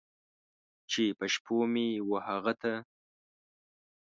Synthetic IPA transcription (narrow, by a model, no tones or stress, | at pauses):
t͡ʃepəʃpʰomewəhaɣat̪a